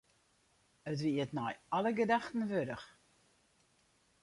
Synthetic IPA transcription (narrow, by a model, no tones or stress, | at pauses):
ət̬ʋiətnɔjaləɡədaxtən̩ʋødəx